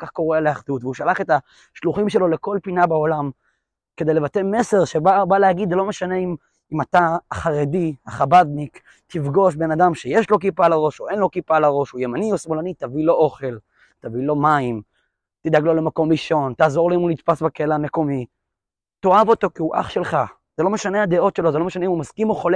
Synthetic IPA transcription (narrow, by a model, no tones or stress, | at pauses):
okaχko̞ʁeleaχd̪ut̪veuʃalaχet̪a | ʃluχimʃe̞lo̞le̞ko̞lpinabaolam | ked̪ele̞vat̪eme̞se̞ʁʃebabalehaɡid̪zlo̞meʃane̞im | imat̪aːχaʁed̪iaχabad̪nik | t̪ifɡo̞ʃbe̞nad̪amʃe̞jeʃlo̞k̬ipalaʁo̞ʃoʔenlo̞kipalaʁo̞ʃujemaniosmo̞lanit̪avilo̞ʔo̞χe̞l | t̪avilo̞maim | t̪id̪aɡlo̞le̞mako̞mʁiʃo̞nt̪aːzo̞ʁleimunit̪pasbekelaame̞ko̞mi | t̪o̞avo̞t̪o̞kiuʔa̰χʃe̞lχa | z̥elo̞meʃane̞ad̪e̞o̞t̪ʃe̞lo̞zelo̞meʃaneimumazkimoχole